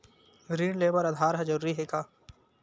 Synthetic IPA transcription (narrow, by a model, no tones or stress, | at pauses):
ɾiːɳleːbəɾɐd̪ʱaːɾɦɛd͡ʒɐɾuːɾiɦekaː